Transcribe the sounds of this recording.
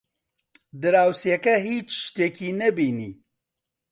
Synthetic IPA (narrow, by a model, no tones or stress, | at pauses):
d̪ɨɾaːwsijɛkɛɦiːt͡ʃʃt̪eːkiːnɛbiːniː